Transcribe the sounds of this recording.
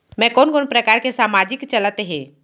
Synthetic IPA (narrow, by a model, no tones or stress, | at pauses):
mɛ̃koːnkoːnpɾəkaːɾkesaːmaːd͡ʒɪkt͡ʃɐlət̪eɦɛ̃ː